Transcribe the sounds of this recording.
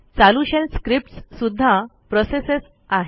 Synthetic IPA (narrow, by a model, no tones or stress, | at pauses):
t͡saluɕelskɾip̚ʈssud̪ʱːapɾɔseses | aɦe